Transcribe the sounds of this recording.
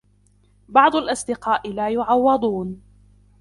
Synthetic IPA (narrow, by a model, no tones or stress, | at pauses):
bɑʕd̪ˤʊlʔɑsˤd̪ɪqɑːʔɪlaːjʊʕɑwːɑd̪ˤuːn